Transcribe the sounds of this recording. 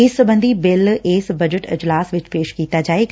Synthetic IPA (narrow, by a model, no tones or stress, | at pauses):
eːsəbə̃nd̪ʱibɪlʔeːsbɐd͡ʒəʈɪ̰d͡ʒlaːsʋɪt͡ʃpeːʃkiːt̪ad͡ʒaːek